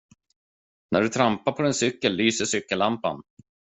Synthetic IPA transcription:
næɖɵt̪ʰɾampaɾpʰɔɛnsʏkːəlːyːsəʂʏkːəlːampa̰n

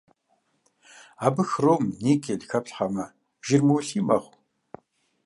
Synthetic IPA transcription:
aːbɨxrowmnikʰʼedxɐpɬħamɐ | ʒɪrmɨwɬiːmɐχʷ

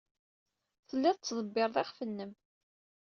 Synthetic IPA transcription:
θəlːæðˤt͡sːðˤəbːɪɾˤðˤɑχfənːəm

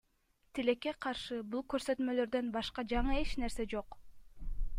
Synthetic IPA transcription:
t̪ʰile̞kːe̞qʰɑɾʃɯbulˠkøɾsø̞t̪mø̞lø̞ɾd̪ø̞nbɑʃqɑd͡ʒɑɴɯe̞t͡ʃne̞ɾse̞d͡ʒo̞q

